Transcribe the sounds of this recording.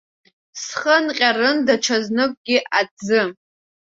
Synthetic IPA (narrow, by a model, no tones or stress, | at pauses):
sχənqʲʼarɨndaʈ͡ʂʰaznɨkʷʼɡʲɪʔad͡zɨ